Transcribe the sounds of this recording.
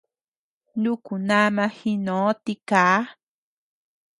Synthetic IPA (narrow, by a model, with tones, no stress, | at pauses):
nu˦ku˨na˦mã˧hi˦nõ˨˦t̪i˦kaː˨˦